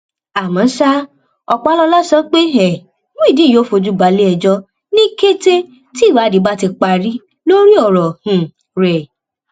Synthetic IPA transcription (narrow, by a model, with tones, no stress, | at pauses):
a˨mã˨˦sa˦ | ɔ˧k͡pa˨˦lɔ˧la˦sɔ˦k͡pe˦ɦɛ˨ | mũ˦i˦˨dĩ˨˦˨jo˨˦fo˧d͡ʒu˦ba˨˦le˦ɛ˧d͡ʒɔ˦ | nĩ˦ke˦te˦ | ti˦˨wa˨˦di˨˦ba˦ti˧k͡pa˧ɾi˦ | lo˦ɾi˦ɔ˦˨ɾɔ˨hũ˨ | ɾɛ˨